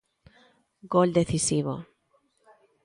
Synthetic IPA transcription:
ɡold̪e̞θisiβo̰

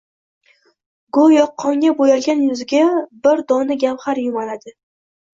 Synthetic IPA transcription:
ɡʊjɒqʰːɒŋʲabojalɡʲanjʊzɪɡʲabɪɾd̪ɒnɪɡʲamχaɾjʊmalad̪ɪ

